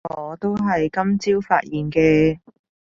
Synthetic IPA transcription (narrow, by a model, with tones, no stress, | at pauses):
ɔː˨˧t̪o˥wɦɐ˨jkɐ˥mt͡siː˥wfa̰ː˧˥t̚jiː˨˩nkɛː˧